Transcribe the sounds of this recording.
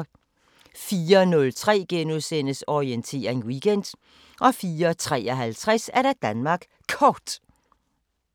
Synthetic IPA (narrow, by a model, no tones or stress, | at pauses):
fiːɐnɔ̽lt͡sʰʁɛ̰ːɡ̥enuðˠsen̰əsɒient͡sʰe̝̰ːɐŋwiɡ̥en̰d̥ | ʔɒ̽fiːɐt͡sʰʁɛ̰ːɒɦælt͡sʰʁasæɐɾ̥æd̥ænmɑ̈ːɡ̥ | kʰɒːd̥